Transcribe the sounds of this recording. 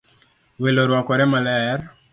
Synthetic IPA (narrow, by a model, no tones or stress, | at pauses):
weloɾwɔkɔɾɛmalɛr